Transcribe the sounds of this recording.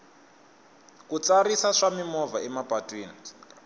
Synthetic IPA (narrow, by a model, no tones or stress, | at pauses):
kut͡saɾisaʂamimɔvaɛmapatʼwiːni